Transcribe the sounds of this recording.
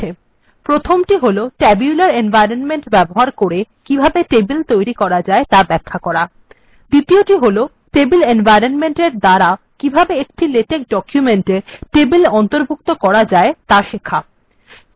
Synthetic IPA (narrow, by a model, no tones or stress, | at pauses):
e | pɾot̪ʰomʈiɦoloʈɛbiulaɾenbajɾonmeɳʈbɛboɦaɾkoɾekibʱabeʈebilt̪ojɾikɔɾad͡ʑaet̪abɛkʰːakɔɾa | d̪it̪ioʈiɦolo | ʈebilenvajɾonmeɳʈeɾd̪aɾao | kibʱabeek̚ʈileʈek̚ɖɔkjumeɳʈeʈebilɔnt̪oɾbʱukt̪okɔɾad͡ʑaet̪aʃikʰːa